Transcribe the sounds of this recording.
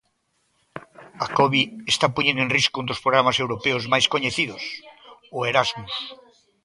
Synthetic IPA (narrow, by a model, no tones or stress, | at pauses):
akoβiest̪apuɲẽnd̪oenriskound̪ospɾoɣɾamasewɾopeozmajskoɲeθiðosoeɾazmus